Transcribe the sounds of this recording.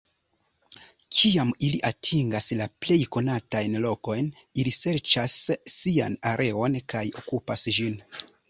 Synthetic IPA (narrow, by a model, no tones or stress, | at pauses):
t͡ʃiamiliʔatʰiŋɡaslaple̞jko̞natajnlo̞ko̞jnilise̞ɾt͡ʃasːia̰naɾʔe̞o̞nkajo̞̰kupasʒin